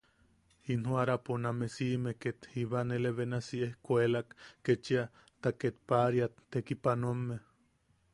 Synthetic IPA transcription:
hinhuaɾaponamesimeket̪hiβaneleβenasiehkʷelakket͡ʃia | t̪aket̪̚paɾjat̪ːekipanuamːe

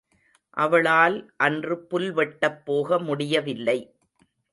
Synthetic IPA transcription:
ʔɐʋɐɭaːlʔɐndrɯpʊlʋɛʈːɐpːoːɣɐmʊɽɪjɐʋɪlːɐɪ

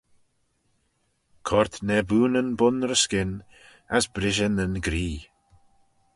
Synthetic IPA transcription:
kʰɔɹt̪nɛbuːnənbʊnɾəskɪn | asbɾɪʒənənɡɾiː

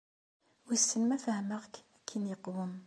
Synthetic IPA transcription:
wisːənmæfæhəməʁkækʰːinjəqwəm

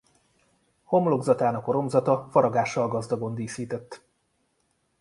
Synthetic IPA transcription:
ho̞mlo̞ɡzɒt̪aːnɒkoɾo̞mzɒt̪ɒfɒɾɒɡaːʃːɒlɡɒzd̪ɒɡo̞nd̪iːsiːt̪ɛt̪ː

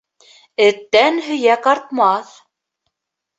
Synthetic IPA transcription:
ɘt̪ːænhɵjækɑɾt̪mɑθ

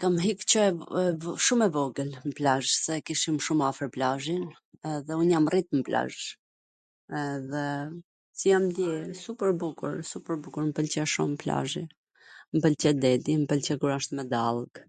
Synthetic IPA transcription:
kamɦikt͡ɕə | ʃumɛvɔɡəlməplaʒsɛkiʃimʃumafəɾplaʒin | ɛðɛunjamrit̪̚məpla̰ʒ | ɛðɛ | sijamd̪jɛsupəɾbukṵɾsupəɾbukuɾmpəlt͡ɕɛʃṵmpla̰ʒi | mpəlt͡ʃɛd̪ɛd̪impəlt͡ɕɛkuɾaʃt̪mɛd̪alˠɡ

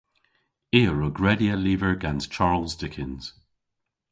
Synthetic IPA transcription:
iːəɹoɡɹɛdiəliːvəɹɡanz̥t͡ʃʰaɹlzdɪkʰɪ̃nz̥

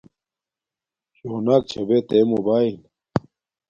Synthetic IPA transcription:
t͡ɕoːnaːk̚t͡ɕʰɐbet̪eːmobaːil

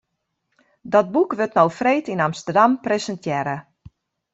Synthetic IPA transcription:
dɔt̚bukʋøtnowfreːtinamstərdampresəntʰjɛɾə

